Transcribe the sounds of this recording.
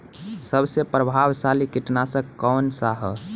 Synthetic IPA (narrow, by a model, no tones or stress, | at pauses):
səbsepɾəbʱaʋsalikɪʈnasəkːɔːnsaɦə